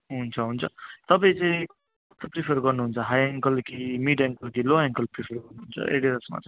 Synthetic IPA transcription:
ɦunt͡sʰʌɦunt͡sʰʌ̰t̪ʌp̬aĩt͡sʌĩ | t̪ʌpripʰerɡʌrnuɦunt͡sʰʌɦajeŋkʌlkimiɖeŋkʌlkiloeŋkʌlpripʰerɡʌrnuɦunt͡sʰʌ̰ʔḛɽiɾʌsma̰t͡sʌ

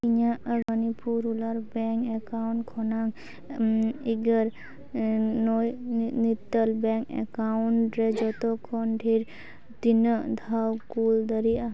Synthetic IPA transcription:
iɲaʔəənipuɾulaɾbɛŋkɛkawɳʈkʰɔnaŋ | iɡəɾ | nɔjnit̪ːəlbɛŋkɛ̰kawɳʈɾɛd͡ʒɔt̪ɔkʰɔnɖʰʱiɾ | d̪inəd̪ʱawkuld̪əɾia

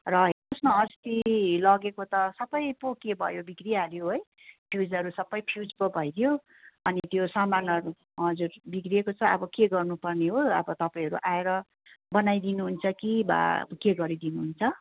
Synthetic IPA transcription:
rʌɦosnoʌst̪ilʌɡekot̪ʌsʌbʌjpokebʱʌ̰jobikriaɾjoɦoj | pʰjud͡zʌɾusʌbʌjpʰijud͡zpobʱʌjd̪ʰjo | ʌnit̪josʌmanʌɾu | ɦʌd͡zurbikriekot͡sʰʌʌbʌkeɡʌrnupʌrneɦoʌbʌt̪ʌpaĩɦʌɾṵʔaeɾʌ | bʌnajd̪inuɦunt͡sʰʌkiba̰keɡʌɾid̪inuɦunt͡sʰʌ

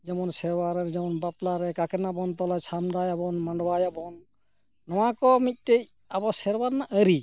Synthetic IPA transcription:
d͡ʒamɔnsɛɾwaɾɛɾd͡ʒamɔnbaplaɾɛkakɛnabɔnt̪ɔlajsʰamdajabɔnmaɳɖwajabɔnː | ɔwakɔmit̚tejabɔsɛɾwaɾnaʔəɾi

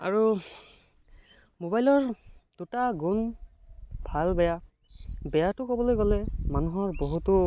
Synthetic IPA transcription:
a̰ɹu | mobajlɔɹd̥utaɡun | bʱalbɛja | bɛjatʊkɔbɔlojɡɔlɛmanuɦɔɹboɦutɔ

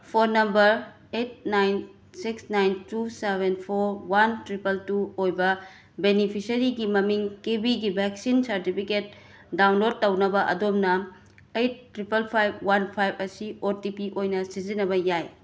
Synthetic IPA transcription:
pʰoɾnɐmbɐɾ | et̚najn | siksnajntusebenpʰoɾwantɾipɐltuojbɐ | benipʰisɐɾiɡimɐmiŋkebiɡibʱɛksinsɐɾtipʰiket̚ | dawnlod̚tːɐwnɐbɐʔɐ̰domnɐ | ejt̚ːɾipelpʰajb̚wanpʰajbɐsioɾtipiʔojnɐsizinɐbɐjaj

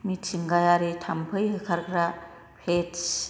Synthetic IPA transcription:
mitt͡ʃiŋɡajaɾetʰampʰɯjɦɯkʰaɾkʰɾa | pʰes

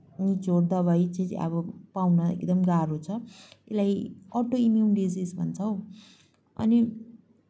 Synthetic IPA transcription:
nid͡zoɾd̪ʌβʌjt͡sat͡sʌ̰βʌpawnʌḛkd̪ʌmɡaɾot͡sʰʌelajʌʈoimjunɖid͡zisbʱʌnt͡sʰʌw | ʌ̰ni

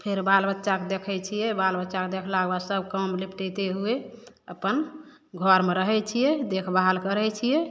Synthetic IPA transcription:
pʰeɾbalbətːʃaked̪ekʰɛjt͡ʃʰijɛbalbətːʃaked̪ekʰlaɡbasəbkəmlipʈet̪eɦue | əpːən | ɡʱəɾmeɾəɦɛt͡ʃʰijɛd̪ekʰbaɦalkəɾɛt͡ʃʰijɛ

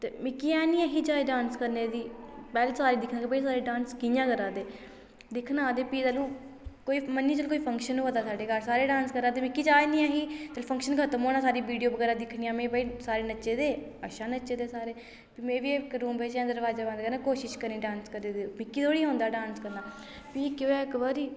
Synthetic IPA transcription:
t̪eːmɪ̃kːiːɛːnĩːaːɦiːd͡ʒaːeɖãːnskəɾneːd̪iːpɛːlːsaːɾiːd̪ɪkʰnaːebəiːs̬aːɾeːɖãːnskɪjãːkəɾaːd̪eː | d̪ɪkʰnaːd̪eːpiːt̪əlũː | koːiːməniːt͡ʃəlkoːiːpʰəŋkʃənuːoːd̪aːsaːɖeːɡəɾsaːɾeːɖãːnskəɾaːd̪eːmɪ̃kiːd͡ʒaːenĩːaːɦiːt̪əlpʰə̃ŋkʃənkʰət̪əmɦoːnaːsaːɾiːʋiːɖijoːbəɡɛːɾãːd̪ɪkʰniːãːmẽːbaːiːsaːɾeːnəːt͡ʃeːd̪eːəʃaːnəʃeːd̪eːsaːɾeː | piːmẽːʋiːekɾuːmbeːt͡ʃːãːd̪əɾʋaːd͡ʒaːbãnd̪kəɾnaːkoːʃɪʃkəɾniːɖaːnskəɾneːd̪iːmɪkːiːt̪ʰoːɽiːɦʊ̃nd̪aːɖãːnskəɾnd̪aː | piːkɪʋɛːkəbəɾiː

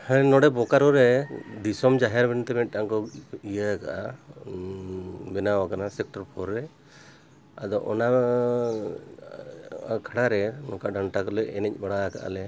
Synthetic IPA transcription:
hɛnɔɽɛbɔkaɾɔɾɛd̪isɔmd͡ʒaɦaɾbɛnt̪ɛmɛʈ̚ˀːaŋkɔijaka̰ʔa | bɛnawakanasɛk̚ʈɔɾpʰɔɾːɛ | ad̪ɔʔɔ̰na | kʰaɽaɾɛnɔkaɖaɳʈakɔlɛɛnɛc̚ˀbaɽaka̰ʔa̰lɛ

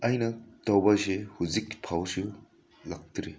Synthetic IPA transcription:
ɐjnɐtɐwbɐsehuzikpʰawsu | lɐk̚tɾe

